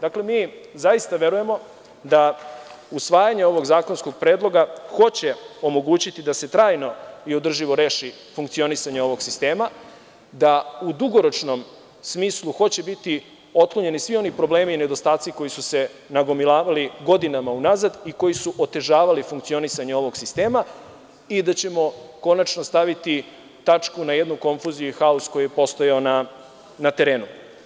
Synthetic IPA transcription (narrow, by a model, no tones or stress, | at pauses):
d̪akle̞miːzaist̪aʋe̞ɾuje̞mo̞ | d̪a | usʋaːjaɲe̞o̞ʋo̞ɡzaːko̞nsko̞ɡ̚pɾeːd̪lˠo̞ɡaxo̞t͡ɕe̞o̞mo̞ɡuːt͡ɕit̪id̪aset̪ɾaːjno̞io̞d̪r̩ʒiʋo̞ɾe̞ːʃi | fuŋkt̪sio̞nisaɲeo̞ʋo̞ɡsist̪e̞ːma | d̪aud̪uɡo̞ɾo̞t͡ʃno̞m | smiːslˠuxo̞t͡ɕe̞bit̪i | o̞t̪̚kloɲe̞nisʋio̞nipɾo̞ble̞ːmiːne̞d̪o̞st̪aːt̪siko̞jisuse̞naɡo̞milˠaːʋaliɡo̞d̪inamaunazad̪iko̞jisuʔot̪e̞ʒaːʋalifuŋkt̪sio̞nisaɲeo̞ʋo̞ɡsist̪e̞ːma | id̪at͡ɕe̞mo̞ko̞nat͡ʃno̞st̪aʋit̪i | t̪at͡ʂkunaje̞d̪nuko̞ɱfuzijuixausko̞jijepo̞st̪o̞jaona | nat̪e̞ɾe̞ːnu